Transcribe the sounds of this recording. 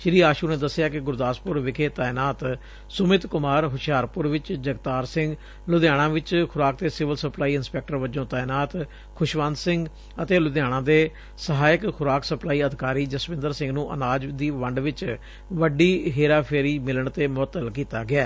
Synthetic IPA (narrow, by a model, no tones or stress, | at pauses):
ʃɾiːaːʃuːnẽːd̪əsːɪjaːkɪɡʊɾd̪aːspʊɾʋɪkʰeːt̪aːɪnaːt̪ | sʊmɪt̪kʊmaːɾɦʊʃjaːɾpʊɾʋɪt͡ʃd͡ʒəɡt̪aːɾsɪ̃ŋɡ | lʊd̪jaːɽ̃ãːʋɪt͡ʃkʰʊɾaːk̚t̪eːsɪʋəlsəplaːiːɪnspɛːk̚ʈəɾʋəd͡ʒõːt̪aːɪnaːt̪ | kʰʊʃʋə̃nd̪sɪŋɡ | ət̪eːlʊd̪jaːɽ̃ãːd̪eː | səɦaːjɪəkkʰʊɾaːksəplaːiːəd̪ʱɪkaːɾiːd͡ʒəsmɪ̃nd̪əɾsɪ̃ŋɡnũːʔə̰naːd͡ʒd̪iːʋəɳɖʋɪt͡ʃ | ʋəɖiːɦeːɾaːpʰeːɾiːmɪləɳt̪eːmʊət̪ːəlkiːt̪aːɡɪaː